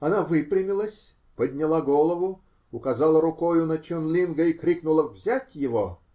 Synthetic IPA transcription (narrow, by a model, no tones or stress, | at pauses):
ɐnavɨpɾʲɪmʲɪlˠəsʲ | pəd̪ʲnʲɪlˠaɡolˠəvʊ | ʊkɐzalˠəɾʊkojʊnɐt͡ɕonlʲinɡəikɾʲiknʊlˠəvzʲætʲjɪvo